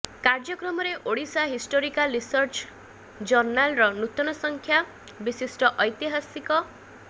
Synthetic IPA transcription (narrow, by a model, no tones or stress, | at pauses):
kaɾd͡ʒɔkɾɔmɔɾeʔoɽisaɦisʈoɾikalɾisɔɾt͡ʃʰ | d͡ʒɔɾnalɾɔnut̪ɔnɔsɔŋkʰja | bisisʈɔʔɔjt̪iɦasikɔ